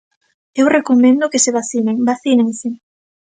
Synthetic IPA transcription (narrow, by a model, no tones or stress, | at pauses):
ewrekomẽnd̪ʊkɪseβaθineŋbaθinẽŋsɪ